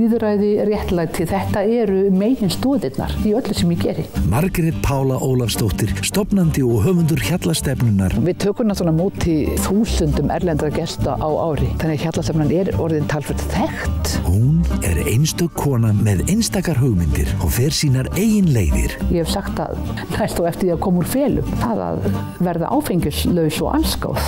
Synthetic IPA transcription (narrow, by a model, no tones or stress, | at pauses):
iðɾajðɪrjɛht̪lajt̪ʰɪlθɛht̪aɛɾʏmeːjjɪnst̪ɔːðɪt̪na̰ɾ̥θiœt̪lʏsɛmjɛcɛːɾɪmaɾkɾɛt̪̚pʰaːwlaʔoːwlafst̪owht̪ɪɾ̥st̪ɔpnant̪ɪɔɣɦœːvʏnt̪̬ʏɾ̥çat̪last̪ɛpnʏnːaɾ̥vɪðt̪ʰœːkʏmnaθɔːnamoːt̪ʰːɪlθuːsʏnt̪ʏmʔɛ̰ɾlɛnt̪ɾacɛst̪aʔawa̰ːwɾɪθanːɛçjat̪last̪ɛpnanɛɾɔ̰ɾðɪnt̪ʰaːlfɛɾ̥t̪θɛxt̪hunɛ̰ɾejnst̪œkʰːɔːnamɛðejnst̪aːkaɾɦʏɣmɪnt̪ɪ̰ɾ̥ɔɣfɛɾ̥siːnaɾeːjɪnleːjðɪ̰ɾ̥jɛhɛvsaxt̪a̰ð | najst̪θawɛft̪ɪɾjakʰɔːmuɾ̥fɛːlʏ̰mθa̰ða̰ð | vɛɾða̰ʔa̰ːwfejɲcʏslœːɥsɔ̰ɣʔa̰nska̰wθ